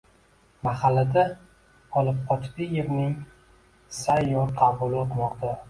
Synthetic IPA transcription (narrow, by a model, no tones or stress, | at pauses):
mahalːad̪a | ɒlɪp̚qʰɒt͡ʃ̪d̪ɪjeɾnɪŋ | sajːɒɾqʰɑbʊlɪot̪mɒqt̪ʰa